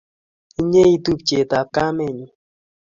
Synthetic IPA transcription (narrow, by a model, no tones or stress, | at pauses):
iɲeit̪upt͡ʃet̪akameɲi